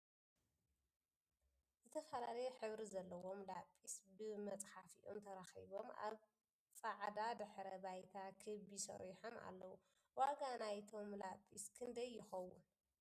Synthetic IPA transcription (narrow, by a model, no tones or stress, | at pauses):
zɨt̪ʰɐfɐlalɐjħɨβɾizɐlːɐwo̞mlapʼːisbɨmɐt͡sʼħafiʔo̰mt̪ʰɐɾaxḭβo̞ma̰β | sʼaʕd̪ad̪ɨħɾɐbajt̪ʰakʰɨbisɐ̰ɾiħoma̰lːɐwu | waɡanajt̪ʰo̞mlapʼːiskʰɨnd̪ɐjːɪxɐwːʊ̰n